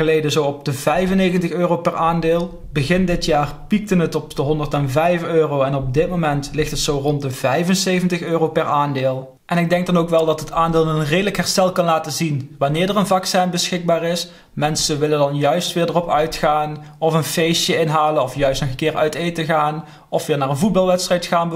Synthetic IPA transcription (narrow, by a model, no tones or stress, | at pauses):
əlejdəzowɔp̚d̥əvɛjvənejɣəntəxøːrowpɛraːndɪːlˠ | bəɣɪndɪtjaːrpik̚tənɦətɔpdəɦɔndərtɛnvɛjføːrowɛnɔp̚dɪt̚momɛntlɪxtətsowrɔnt̚dəvɛjvənsejvəntəxøːrowpɛɹaːndeːlˠ | ʔɛnɪɡ̚dɛŋk̚dɑnowkʋɛlˠdɑtɦətaːndeːlˠənreːdələkɦɛɹstɛlˠkɑnlaːtəzinʋɑnɪːɹdərənvɑksɛnbəsxɪɡ̚baːrɪs | mɛnsəʋɪləndɑnjœɥstʋɪːɹdərɔpœɥtxaːnɔfənfejsjəɪnɦaːlənɔfjœɥstnɔxəkɪːrœɥtejtəɣaːn | ɔfʋɪːɹnaːɹənvut̚bɑlˠʋɛtstrɛjtxaːnb